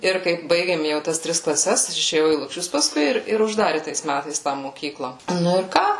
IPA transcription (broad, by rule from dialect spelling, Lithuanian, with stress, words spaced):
ˈɪr kɐɪp ˈbɐɪɡʲeːm ˈjɛʊ tɐs ˈtʲrʲɪs klˠɐˈsʲɛs ɐʃ ɪʃʲeːˈjɛʊ iː lˠʊkˈʃʲʊs pɐˈskʊɪ ɪr ɪr ʊʒˈdɑːrʲɪ tɐɪs ˈmʲætɐɪs tɑː moːkʲiːklˠɐ nʊ ɪr ˈkɑː